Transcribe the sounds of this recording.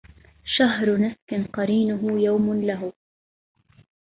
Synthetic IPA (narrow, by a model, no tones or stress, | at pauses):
ʃaɦɾnaskɪnqɑɾiːnʊɦʊjawmlaɦʊ